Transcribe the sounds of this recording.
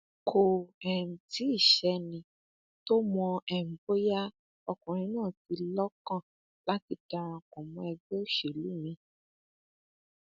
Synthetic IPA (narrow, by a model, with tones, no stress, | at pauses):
kʰo˨ɛ˨ñ̩˨ti˨˦i˦˨ʃɛ˧nĩ˧ | to˦mɔ̃˧ɛ˨m̩˨bo˦ja˦ | ɔ˧kũ˨ɾ̃ĩ˨˦nãː˦˨ti˧lɔ˦kã˦˨ | la˦ti˧da˧ɾ̃ã˧ko˨mũ˨˧˦ɛ˧ɡ͡be˦˨ʃe˨lu˨˦mĩ˧